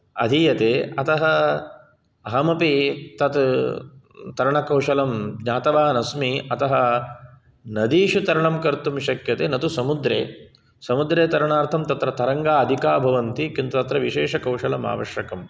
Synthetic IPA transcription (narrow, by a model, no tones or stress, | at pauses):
ɐ̰d̪ʱijɐt̪eːɐt̪ɐɦɐ | ɐɦɐmɐpit̪ɐt̪ | t̪ɐɾɐɳɐkɐwʂɐlɐmɲaːt̪ɐʋaːnɐsmiɐt̪ɐɦɐ | nɐd̪iːʂut̪ɐɾɐɳɐmkɐɾt̪umʃɐkjɐt̪eːnɐt̪usɐmud̪ɾḛː | sɐmud̪ɾeːt̪ɐɾɐɳaːɾt̪ʰɐmt̪ɐt̪ɾɐt̪ɐɾɐŋɡaːɐd̪ʱikaːbʱɐʋɐnt̪ikint̪ut̪ɐt̪ɾɐʋiʃeːʂɐkɐwʂɐlɐma̰ːʋɐ̰ʃjɐkɐm